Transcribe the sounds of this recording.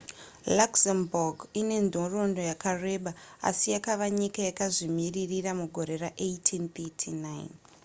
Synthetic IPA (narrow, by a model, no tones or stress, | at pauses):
laksemborɡine̞ndʱoro̞ndo̞jakare̞ɓaa̰sijakaʋaɲikajakaʐimiririramuɡʱo̞ɾe̞raʔejtʰint̪etʰinaj̰n